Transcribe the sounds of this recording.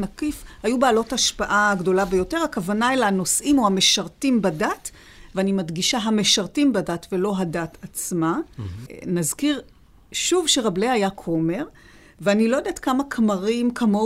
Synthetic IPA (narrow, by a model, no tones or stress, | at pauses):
nakifhajubealo̞taʃpaʔaɡdo̞labe̞jo̞te̞ʁakavanaelano̞sʔimo̞hame̞ʃaʁtimbadat | veanimadɡiʃaɦame̞ʃaʁtimbadatve̞lo̞ɦadatat͡sma | nazkiʁ | ʃuvʃeʁableajakʰo̞me̞ʁ | veanilojod̪aet̪kamakmaʁimkʰamo